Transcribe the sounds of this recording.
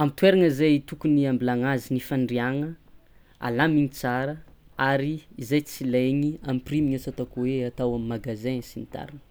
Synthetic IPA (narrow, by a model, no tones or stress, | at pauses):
amit̪weɾaŋəizajt̪ukuniambilaŋazinifaɳɖ͡ʐiaŋə | a̰lamiɲit͡saɾə | aɾiːzajt͡silajɲiamprimiɲat͡sat̪akuweat̪awamimaɡazẽsinit̪a̰ɾinə̥